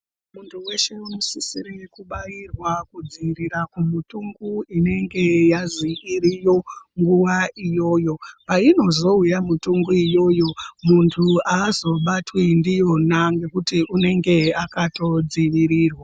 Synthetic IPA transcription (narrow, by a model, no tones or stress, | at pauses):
muntʰuwe̞ʃeunosisiɾekuɓajirwakud͡ziʋiɾiɾakumutuŋɡuine̞ŋɡe̞jazikiɾijo̞ŋɡuʋaijo̞ːjo̞paino̞zo̞ujamutuŋɡuijo̞jo̞muntʰuaːzo̞ɓatwindijo̞naŋɡe̞kutiʔune̞ŋɡe̞akato̞d͡ziʋiɾiːrwa